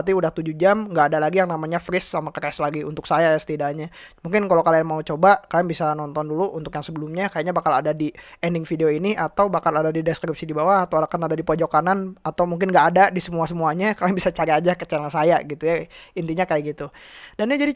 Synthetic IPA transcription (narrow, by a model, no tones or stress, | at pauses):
t̪iudaht̪ud͡ʒud͡ʒamŋɡaːdalaɡijaŋnamaɲafɾɪsːamakərɛslaɡiunt̪ʊksajajasə̥t̪idaɲa | muŋkɪnkalawkalaaŋmaut͡ʃobakaljaŋbisanɔnt̪ɔnduluʔunt̪ʊkjaŋsəbəlʊmɲakajaʔɲabakaladadiɛndɪŋfideoiniat̪awbakaladadidɛskɾip̚sidibawahat̪awalakanadadipod͡ʒɔkananat̪awmuŋk̬ɪnŋɡaʔːdadisəmuasəmuaɲakalaaŋbisat͡ʃaɾiad͡ʒakət͡ʃaɾansajaɡit̪ujaint̪iɲakajaɡit̪udanad͡ʒadi